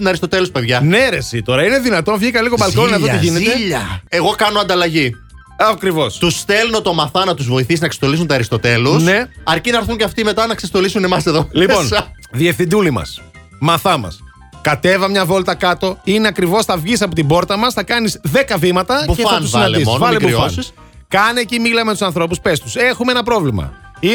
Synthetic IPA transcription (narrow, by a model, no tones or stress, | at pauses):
unɐɾist̪ot̪e̞luspeðʝɐneɾesit̪o̞ɾɐine̞ðinɐt̪o̞nɐvʝikɐliɣobɐloninɐðot̪iʝinet̪eʎɐe̞ɣo̞kɐnoɐnd̪ɐlɐʝi | ɐkɾivo̞st̪ust̪elunot̪omɐθɐnɐt̪uzvo̞iθisinɐkse̥st̪o̞lisunt̪ɐɾist̪o̞t̪e̞lusne̞ɐɾcinɐɾθuɲceɐft̪imet̪ɐnɐksest̪o̞lisune̞mɐseðolipo̞nsɐ | ðiefθind̪ulimɐ̰s | mɐθɐmɐ̰s | kɐt̪e̞vɐmɲɐvo̞lt̪ɐkɐt̪o̞ineɐkɾivo̞sθɐvʝis̬ɐpo̞t̪ibo̞ɾt̪ɐmɐsθɐkɐnizðe̞kɐvimɐt̪ɐnsinɐliszvɐlebufɐ | kɐnecimilɐmet̪usɐnθɾo̞p̬uspe̞st̪u̥se̞xumeenɐpɾovlimɐ̰ | i